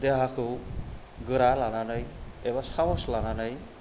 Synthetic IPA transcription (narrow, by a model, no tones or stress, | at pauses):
d̪eɦakʰɯw | ɡɯɾalananʌjebasamɔslananaj